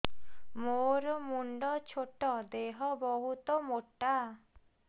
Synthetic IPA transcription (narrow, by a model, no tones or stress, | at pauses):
moɾɔmuɳɖɔt͡ʃʰoʈɔd̪eɦɔbɔɦut̪ɔmoʈːa